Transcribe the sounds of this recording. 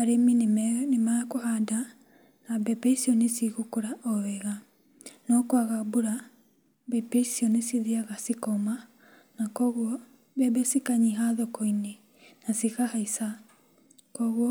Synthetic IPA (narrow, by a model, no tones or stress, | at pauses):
aɾeminemɛnemakoɦada | nabɛbeisiɔnesiɣukuɾaʔɔβɛɣa | nɔkwaɣabuɾa | bɛpeisiɔnesiðiaɣasikɔma | nakɔɣwɔ | bɛbɛsikaɲiɦaðɔkɔine | nasiɣahaisa | kɔɣwɔ